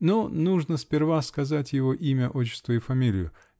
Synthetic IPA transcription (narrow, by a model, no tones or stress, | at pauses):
nonuʐnəspʲɪrvaskɐzatʲjɪvoʔimʲəʔot͡ɕːɪ̥st̪vəɪfɐmʲilʲɪ̰jʊ